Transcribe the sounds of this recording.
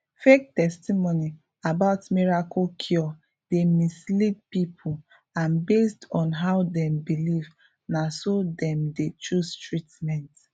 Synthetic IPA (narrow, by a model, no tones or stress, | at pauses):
fek̚tɛstimoni | abaʊtmiɹakɔkʰjɔ | d̥emislit̚pipʰu | ãnbestɔ̃nɦaʊdɛ̃mbiliv | nasodɛ̃mdet͡ʃustɹitmɛ̃nt